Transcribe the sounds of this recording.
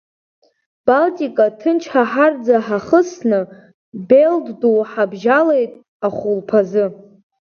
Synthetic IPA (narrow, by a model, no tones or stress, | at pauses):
b̥altʼikʼatʰɨnt͡ʃʰħaħard͡zaħaχəsnɨ | beldduwħabʒale̞jtʼ | aχʷulpʰazɨ